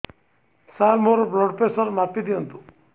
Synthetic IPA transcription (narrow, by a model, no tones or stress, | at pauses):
salmoɾbɾɔɖpesəɾmapid̪iənt̪u